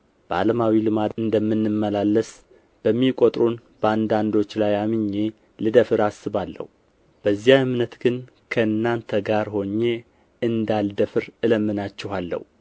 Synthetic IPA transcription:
b̥əa̰ləmawilɨmat̪ɨnd̪əmːɨnːɨmːəlalːəs | b̥əmːikʼot̪ʼɾunb̥əand̪and̪o̞t͡ʃːlajamɨɲːe̞ | lɨd̪əfɨɾasɨβalːə̰hu | b̥əzːijaɨmnət̪ɡɨn | kʰəɨnːant̪ʰəɡaɾho̞ɲːe̞ | ɨnd̪ald̪əfɨɾɨləmːɨnat͡ʃːɛhalːə̰hu

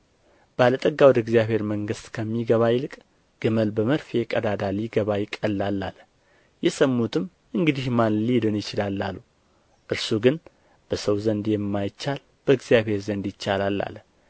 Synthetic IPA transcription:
b̥əalət̪ʼəɡːawɔd̪əɡzjaβhe̞ɾməŋɡɨst̪kʰəmːiɡəβajɪlɨkʼ | ɡ̥ɨməlbəməɾfjɛkʼəd̪ad̪aliɡəβajɪkʼəlːalːa̰lə | jɛsəmːut̪ʰɨm | ʔɨŋɡɨd̪ihmanlid̪ɨnjɪt͡ʃɪlalːalːu | ʔɨɾsuɡɨn | b̥əsəwzənd̪jɛmːajt͡ʃːal | b̥əɨɡzijaβhe̞ɾzənd̪jɪt͡ʃːalalːa̰lə

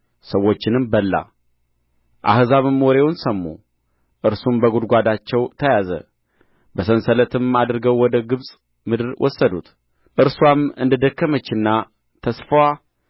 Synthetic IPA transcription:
səwːo̞t͡ʃːɪnɨmbəlːa̰ | ʔa̰hzaβɨmɔɾe̞wʊnsəmːṵ | ʔɨɾsumbəɡud̪ɡʷad̪at͡ʃːɛwt̪ʰəjazə̰ | bəsənsələt̪ʰɨmad̪ɾɡəwwɔd̪əɡɨβsʼ | mɨd̪ɨɾwʔɔ̰sːəd̪ṵt̪ | ʔɨɾswamɨnd̪ɨd̪əkːəmət͡ʃːɨnːa | t̪ʰəsfəwa

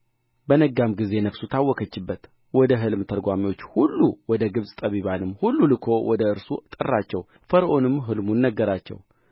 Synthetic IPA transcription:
bənəɡamɡize̞nəfsut̪ʰawːɔkʰət͡ʃːɪbːət̪ | wɔd̪əɦɨlmt̪ʰəlɡʷamiwo̞t͡ʃːhulːuwɔd̪əɡɨβsʼt̪ʼəβiβanɨmːhulːulɨkʰo̞wʔɔd̪əɨɾsṵt̪ʼɨ̰rːat͡ʃːɛw | fəɾʔo̞nɨmɦɨlmunːəɡːəɾat͡ʃːɛ̰w

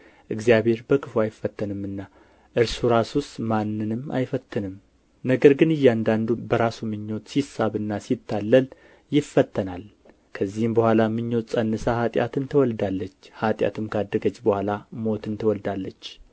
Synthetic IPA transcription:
ʔɨɡzjaβhe̞ɾbəkʰɨfuajɪfːət̪ʰːənɨmːɨnːa | ʔɨɾsuɾasust̪manːɨnɨma̰jfət̪ʰːɨnɨm | nəɡəɾɡɨnɨjːɛand̪and̪ubəɾasumɨɲːo̞t̪sisaβɨnːasit̪ʰːalːəl | jɪfːət̪ːənal | kʰəzːihɨmbəhʷalamɨɲːo̞t̪sʼənːɨsahat̪ʼja̰t̪ɨnt̪ʰəwɔld̪alːət͡ʃːhat̪ʼja̰t̪ʰɨmkʰad̪ːəɡət͡ʃʼːbəhʷalamo̞t̪ɨnt̪ʰəwɔld̪alːət͡ʃː

